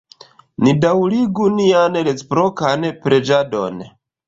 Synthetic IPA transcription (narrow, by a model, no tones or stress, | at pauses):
nidawliɡunianlet͡spɾokanpɾed͡ʒadon